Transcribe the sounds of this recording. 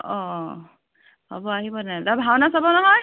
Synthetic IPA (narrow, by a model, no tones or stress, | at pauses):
ɔ | hɔ̰bɔaɦibɔnɛdabʱawnasabɔnɔɦɔj